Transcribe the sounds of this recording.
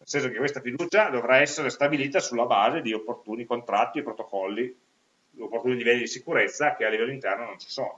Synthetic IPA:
nelsɛns̬okekːwest̪afid̪uːt͡ʃad̪ovɾaɛsːeɾest̪abiliːt̪asulːabaːzed̪iopːort̪uːnikont̪ɾat̪ːiepɾot̪okɔlːi | d̪opːort̪uːnilivɛlːid̪isikuɾet̪sːakealːivɛlːoint̪ɛrnonont͡ʃi̥soːno

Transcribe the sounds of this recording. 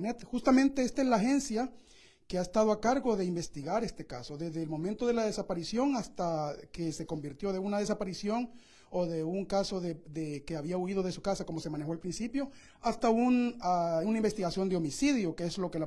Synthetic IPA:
net̪xust̪amẽ̞nt̪e̞est̪aezlaːxe̞nsja | ke̞aest̪aðoakaɾɣo̞ðeimbe̞st̪iɣaɾe̞st̪e̞ka̰so̞ðe̞zðeːlmõ̞ment̪o̞ðelaðe̞sapaɾisjo̞ŋast̪ake̞se̞ko̞mbiɾt̪jo̞ðe̞unað̞e̞sapaɾisjo̞ŋ | oðeuŋkaso̞ðeðekeaβiauið̞o̞ðe̞su̥kasakomo̞se̞mane̞xoalpɾinsipjo̞ | ast̪aunaunaimbe̞st̪iɣasjo̞nd̪eo̞misiðjo̞keezlo̞ke̞la

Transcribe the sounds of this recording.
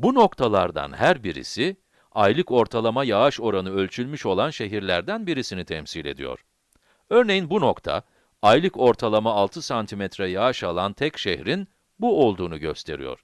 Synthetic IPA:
buno̞kt̪ʰalˠaɾd̪a̰nhæɾbiɾḭsi | ajlˠɯko̞ɾt̪ʰalˠamajaaʃo̞ɾanɯø̞lʲt͡ʃʰylʲmyʃo̞lˠanʃe̞ɦiɾlʲæɾd̪ænbiɾisinit̪ʰɛmsilʲe̞̰d̪ḭjo̰ɾ̥ | øɾne̞jinbuno̞kt̪ʰa̰ | ajlˠɯko̞ɾt̪ʰalˠamaːlˠt̪ʰɯsant̪ʰimɛt̪ɾɛjaaʃalˠant̪ʰɛcʃehɾin | buo̞lˠd̪uːnuɟø̞̰st̪ʰe̞̰ɾḭjo̰ɾ̥

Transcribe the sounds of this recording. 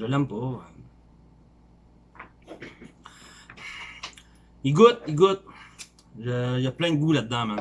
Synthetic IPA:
əlãmpo | iɡot̪̚iɡot̪̚ | ʒəjaplɛ̃nɡulad̪ːãmɛ̃

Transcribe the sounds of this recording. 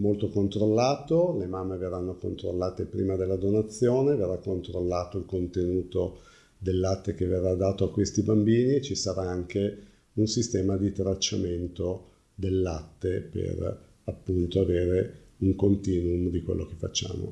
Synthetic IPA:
molt̪okont̪ɾolːaːt̪olemamːeverːanːoko̰nt̪ɾo̰lːaːt̪epɾiːmad̪elːad̪onat̪sːjoːneverːakːont̪ɾolːaːt̪oilkont̪enuːt̪o | d̪elːat̪ːekeverːad̪aːt̪oakːwest̪ibambiːniet͡ʃisaɾaaŋke | unsist̪ɛːmad̪it̪ɾat͡ʃːament̪o | d̪elːat̪ːepḛr | apːunt̪oaveːɾe | uŋkont̪iːnumd̪ikwḛlːʔokefa̰t͡ʃːa̰ːmo̰

